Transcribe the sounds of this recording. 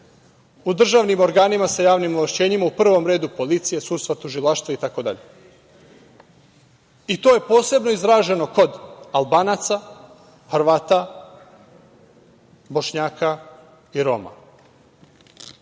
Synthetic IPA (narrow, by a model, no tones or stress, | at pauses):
ud̪r̩ʒaʋnimo̞ɾɡaːnimasajaːʋnimoʋaʃt͡ɕe̞ːɲimaupr̩ʋo̞mɾe̞ːd̪upo̞lit̪sije̞sud̪st̪ʋat̪uʒilˠaʃt̪ʋait̪ako̞d̪a̰ʎe̞ | it̪o̞je̞po̞ːse̞bno̞izɾaːʒe̞no̞ko̞d̪alˠbaːnat̪sa | xɾʋaːt̪a | bo̞ʃɲaːka | iɾo̞ma̰